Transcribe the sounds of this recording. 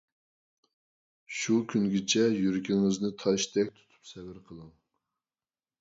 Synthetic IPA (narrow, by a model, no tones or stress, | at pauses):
ʃukʲʰynɡʲɪt͡ʃʰɛjyɾɪkʲʰiŋɪznɪt̪ʰɑʃt̪ʰɛkʲt̪ʰu̥t̪ʰu̥psɛbɪɾqʰəlˠɨŋ